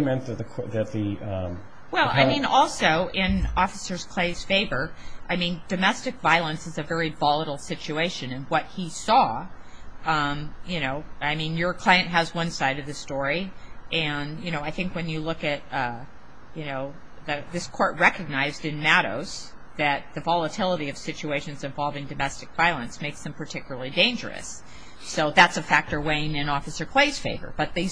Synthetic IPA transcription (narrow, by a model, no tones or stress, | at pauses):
mɛ̃nðɨt̪̚ðɨkʰðɨt̪̚ðɨʌ̃m | wɛlˠa̰ɪmĩnɔlˠsoʊʔɪ̃nɔfəsə˞z̥kʰl̥eɪz̥feɪvə˞ʔaɪmĩnd̥ɨmɛstɨkv̥aɪlˠə̃nsɨzɨvɛɹivɑlˠəɾl̩ˠsɪt͡ʃʉeɪʃɨ̃nɨ̃nwʌt̚hisɔ | ʌ̃mjɨñoʊaɪmĩnjə˞kʰl̥aɪɨ̃nʔ̚ɦɨzwʌ̃nsaɪɾʌvðɨstɔɹiʔɨ̃njɨnoʊaɪθɪ̃ŋkwɨ̃njɨlʊkɨt̚ʌ | jɨnoʊ | ðɨðɪskʰɔɹt̚ɹɛkɨɡ̚naɪzdɨ̃nmæɾo̰ʊz̥ | ðɨt̪̚ðɨvɑlˠətʰɪlˠəɾiʌv̥sɪt͡ʃʉeɪʃɨ̃nzɨ̃ɱvɑlˠvɪ̃ŋdɨmɛstɨk̚v̥aɪlˠə̃nsmeɪksðɨ̃m̩pʰə˞tʰɪkjl̩ˠə˞l̩ˠidẽɪ̃nd͡ʒə̰˞ɨ̰sː | oʊðætsɨfæk̚tə˞wẽɪɪ̃nɨ̃nɔfɨsə˞kʰl̥eɪz̥feɪvə̰˞b̥ʌt̪̚ðeɪ